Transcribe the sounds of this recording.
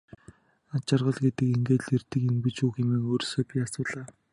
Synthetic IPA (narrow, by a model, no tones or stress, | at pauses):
at͡ɕɪ̆rʁə̆ɮɡet̪ɘ̆keŋɡeːt̪ɮert̪ɘ̆kimpɘ̆t͡ɕuːxɪmeːŋoːɾsɔːpiasʊːt̪ɮaː